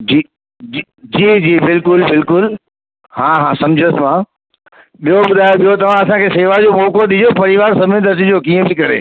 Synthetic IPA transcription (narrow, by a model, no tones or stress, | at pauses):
d͡ʑiː | d͡ʑ | d͡ʑiːd͡ʑiːbɪlkʊlbɪlkʊl | hãːɦãsɐ̃md͡ʑʱəsmã | ɓijoɓʊd̪ʱaːjoɓijot̪ɐʋ̤ãɐsãkʰeːseːʋad͡ʑoːmoːkoɗɪd͡ʑopɐɾɪʋaːɾsɐmẽd̪ʱɐɾt̪ɪd͡ʑoːkiːə̃bʱikɐɾḛː